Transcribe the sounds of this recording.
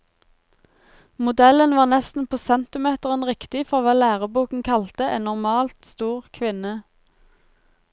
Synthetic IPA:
mʊd̪ɛlənʋɑːʁnɛst̪n̩pʰoːsɛnt̪ɪmeːt̪əʁɛnʁɪkt̪ɪfɔʁʋɑːlæːʁəbuːkŋ̩kʰɑlt̪əʔeːnnɔʁmɑːlt̪st̪uːʁkʰʋɪnə

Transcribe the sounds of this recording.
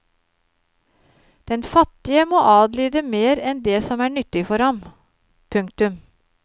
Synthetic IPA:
d̪̥ɛnfɑt̪ːɪəmoːʔɑːd̪lyːd̪əmeːɾɛnd̪esɔmæːɳʏt̪ːɪfɔɾhɑm | pʰʉŋk̚t̪ʉm

